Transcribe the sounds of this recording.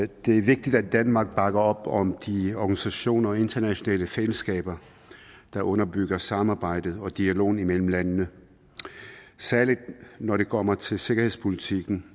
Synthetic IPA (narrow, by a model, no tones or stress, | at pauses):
d̥e̝æɐʋe̝ɡ̥̚d̥id̥æ̥ænmɑ̈ːɡ̥̚b̥ɑ̈ɡ̥ɐɒ̽b̥ɒ̽md̥iɒɡ̥ænisæɕo̝̰ːnɐɒ̽e̝nd̥ʰɐnæɕo̝nɛ̰ːləfeləsɡ̥ɛ̰ːb̥ɐ | d̥ɑ̈ʔɔ̽nɐb̥yɡ̥ɐsɑ̈mɑ̈ːb̥ɑ̈ɪ̰d̥ð̩ˠɒ̽d̥iælo̝̰ːn̩imel̰m̩lænnə | sæɐlid̥nɒɾe̝kʰɒ̽m̰ɐt͡sʰe̝lse̝ɡ̥ɐhe̝ð̰ˠspʰo̝lit͡sʰiɡ̥n̩